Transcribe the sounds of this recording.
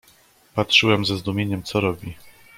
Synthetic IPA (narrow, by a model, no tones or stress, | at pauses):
patʂɘwɛmzɛzd̪umʲjeɲɛmt̪sɔɾɔbʲi